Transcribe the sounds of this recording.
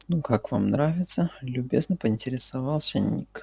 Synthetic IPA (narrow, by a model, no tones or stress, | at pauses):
nukakva̰mnɾavʲɪt̪səlʲʊbʲeznəpəɪnʲtʲɪɾʲɪsavɑlˠsʲənʲḭk